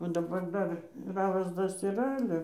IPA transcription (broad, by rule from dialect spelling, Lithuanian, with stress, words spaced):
ʋɐ dɐˈbɐr ˈdɐr ˈrɑːʋɐs ˈtɐs iːˈrɐ ˈɑːlʲɛ